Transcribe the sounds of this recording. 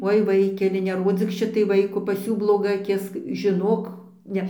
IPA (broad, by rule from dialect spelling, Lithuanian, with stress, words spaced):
ˈoːɪ ˈʋɐɪkʲɛlʲɪ nʲɛˈroːd͡zʲiːk ˈʃʲɪtɐɪ ˈʋɐɪkoː pɐs ˈjuː blˠoːˈɡɐ ɐˈkʲɪs ʒʲɪˈnoːk ˈnʲɛ